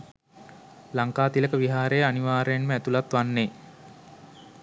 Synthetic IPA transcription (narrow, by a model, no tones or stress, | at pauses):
laŋkaːt̪iləkəʋiɦaːɾejəaniʋaːɾəjenməæt̪ulat̪ʋanːe